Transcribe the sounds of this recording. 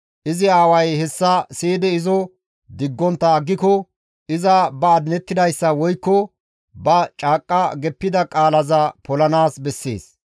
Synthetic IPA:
ʔɪzɪaːwɐjhɛsːɐseːd̪ɛɪzɔ | d̪ɪɡːɔnt̪ːɐːɡːɪkɔ | ʔɪzɐbɐːd̪ɪnɛt̪ːɪd̪ɐjsːɐwɔjkːɔ | bɐt͡ʃʼaːkʼːɐɡɛpːɪd̪ɐkʼaːlɐzɐpɔlɐnaːsbɛsːḛːs

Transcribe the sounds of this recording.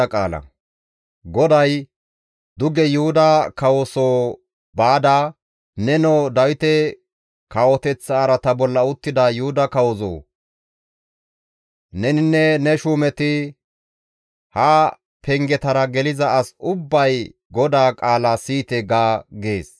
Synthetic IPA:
ɐkʼaːlɐ̰ | ɡɔd̪ɐj | d̪ʊɡɛjʊhʊd̪ɐkɐwɔsoː | baːd̪a | nɛnod̪ɐwɪt̪ɛ | kɐwɔt̪ɛt͡sːaːɾɐt̪ɐbɔlːɐʊt̪ːɪd̪ɐjʊhʊd̪ɐkɐwɔzo̰ː | nɛnɪnːɛnɛʃuːmɛt̪ɪ | hɐ | pɛŋɡɛt̪ɐɾɐɡɛlɪzɐɐsʊbːɐj | ɡɔd̪aːkʼaːlasiːt̪ɛɡaːɡeːs

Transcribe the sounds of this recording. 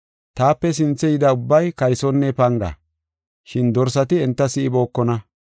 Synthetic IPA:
t̪aːpːɛs̬ɪnt͡sːɛjɪd̪ɐʊbːɐjkɐjsɔnːɛpɐŋɡɐ̰ | ʃɪnd̪ɔɾsɐt̪ɪɛnt̪ːɐsɪʔɪboːkːɔnɐ

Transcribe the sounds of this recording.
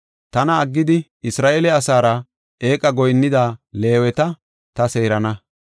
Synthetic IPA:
t̪ɐnɐːɡːɪd̪ɪ | ɪsɾaːʔelɛɐsaːɾɐ | eːkʼɐɡɔjnːɪd̪aːle̞ːwɛt̪ɐ | t̪ɐse̞ːɾɐnɐ

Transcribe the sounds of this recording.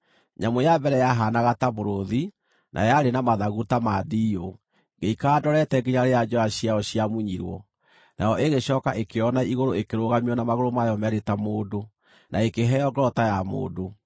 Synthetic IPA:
ɲamojabɛɾɛjaɦanaɣataβoɾoði | nʔa̰jaɾenamaðaɣutamadio | ŋɡeikaːdɔɾɛtɛɡeɲaɾejad͡ʒɔaɕiaɔɕiamuɲiɾwɔ̰ | najɔʔeɣeɕɔkaʔekeɔnaiɣoɾoekeɾoɣamiɔnamaɣoɾomajɔmɛɾetamoːdo | nʔaekeɦɛɔɡɾɔtajamo̰ːdo

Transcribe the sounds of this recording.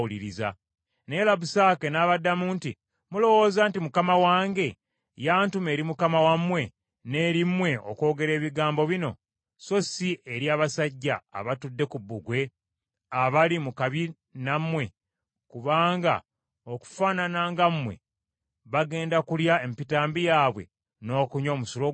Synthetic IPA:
uliɾiza̰ | ne̞ːlaβusaːke̞naːβadːamuːnti | mulo̞wo̞ːzantimukamawaːŋɡe̞ | jaːntume̞ːɾimukamawamwe̞ | ne̞ːɾimwe̞o̰ko̞ːɡe̞ɾe̞ːβiɡaːmbo̞βino̞̰ | so̞siʔeɾjaːβasaɟːa̰ːβatudːe̞kubːuɡwe̞ | aβalimukaβi | namwe̞ | kuβaːŋɡa̰ | oku̥faːnanaːŋɡamːwe̞̰ | βaɡe̞ːndakuljaempitaːmbijaːβwe̞̰ | no̞ːkuɲo̞ːmusulo

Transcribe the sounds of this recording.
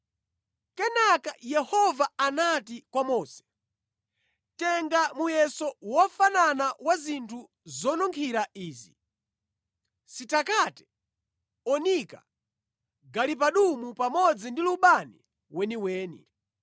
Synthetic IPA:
kɛnakajɛhɔvaanatikwamɔːsɛ̥ | tɛŋɡamujɛsɔwɔfananawazintʰu | zɔnɔŋkʰiɾaiːzḭ | sitakatɛ̥ | ɔnika̰ | ɡalipaɗumupamɔd͡zindiluɓanḭ | wɛniwɛːnḭ

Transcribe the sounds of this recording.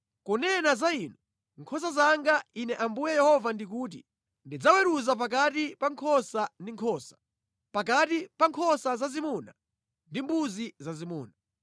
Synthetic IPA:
kɔnɛnazainu | ŋkʰɔs̬azaŋɡainɛʔambujɛjɛhɔvandik̬uːt̬ḭ | ndid͡zawɛɾuzap̬akatipaŋkʰɔsandiŋkʰɔːsḁ | pakatipaŋkʰɔsazazimuːna | ndimbuzizazimuːna

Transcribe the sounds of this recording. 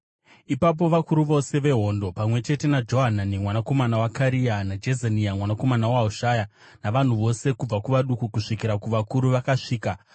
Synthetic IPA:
ipap̬o̞ʋakuɾuʋo̞se̞ʋe̞ɦo̞ːndo̞pamwe̞t͡ʃe̞te̞nad͡ʒo̞ɦananimwanako̞manawakaɾianad͡ʒezaniamwanako̞manawauʃaːja | naʋan̤uʋo̞se̞kub͡vakuʋaɗukukuʂikiɾakuʋakuɾuʋakaʂiːka

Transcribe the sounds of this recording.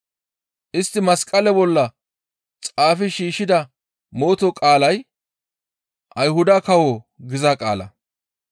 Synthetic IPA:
ʔɪst̪ːɪmɐskʼɐlɛbɔlːɐ | t͡sʼaːfɪʃiːʃːɪd̪ɐ | mo̞ːt̪ɔkʼaːlɐj | ʔɐjɦʊd̪ɐkɐwo | ɡɪzɐkʼa̰ːlɐ̰

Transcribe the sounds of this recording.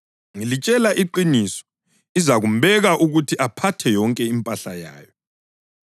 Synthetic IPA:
ŋilit͡ʃʼɛlaʔiǃinisɔ̥ | izaɣumbɛɣaʔuɣutʰiʔapʰatʰɛjɔŋkʼɛimpʼaɬaja̰ːjɔ

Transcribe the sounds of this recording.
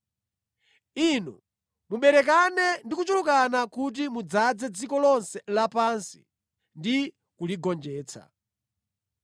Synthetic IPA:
inṵ | muɓɛɾɛk̬anɛndikut͡ʃulukanakut̬imud͡zad͡zɛd͡zikɔlɔnsɛlapansi̥̰ | ndi | kuliɡɔnd͡ʒɛːt͡sʰa̰

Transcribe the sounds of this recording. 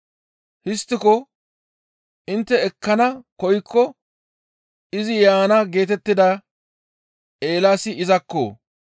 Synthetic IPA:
hɪst̪ːɪkɔ | ʔɪnt̪ːɛɛkːɐnɐkɔjkʰːɔ | ɪzɪjaːnɐɡe̞ːt̪ɛt̪ːɪd̪ɐ | e̞ːlaːsɪɪzɐkːo̰ː

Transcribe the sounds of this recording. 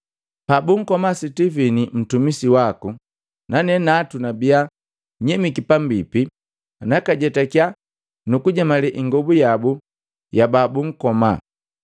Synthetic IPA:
pabuŋ̩kɔmasitivinim̩tumisiwaku | nanɛnatunabia | ɲɛmikipambipi | nakaɟɛtakja | nukuɟamalɛʔiŋɡɔbujabu | jababuŋ̩kɔma̰

